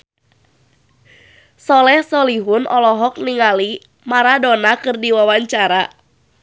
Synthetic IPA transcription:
sɔlɛhsɔliɦʊnʔɔlɔɦɔk̚niŋali | maɾadonakɨrdiwawaɲt͡ʃaɾa

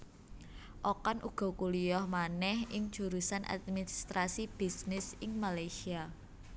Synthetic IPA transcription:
ʔokɔnʔuɡ̥ɔ̤kuliɔhmanɛhɪŋ̥d͡ʒ̥uɾusanʔa̰t̪̚minist̪ɾasib̥i̤snɪsɪŋmalajsia

